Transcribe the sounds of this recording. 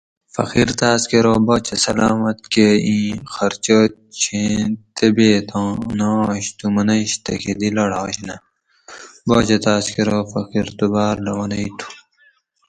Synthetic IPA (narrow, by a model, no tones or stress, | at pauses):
fɐ̰xiɾt̪aːskeɾoboːt͡ɕɐsɐlaːmɐt̪keĩːxɐɾt͡ʃo | t͡ɕʰẽt̪ebeːt̪õnaɕt̪umɐnɐɕt̪ɐ̰kʰid̪ilɐɽaːɕnɐ | boːt͡ʃɐt̪aːskeɾoːfɐxiɾt̪ubaːɾlɐwɐnɐit̪ʰu̥